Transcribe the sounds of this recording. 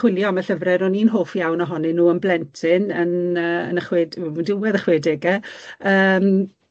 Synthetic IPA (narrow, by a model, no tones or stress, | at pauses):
χwɪlˠjɔmɛɬəvrɛɾɔniːnɦoːfjawnɔɦɔnɪnuːənblɛntʰɪnənəːə̰nəχweːdmundɪwɛðəχweːdɪɡɛəːm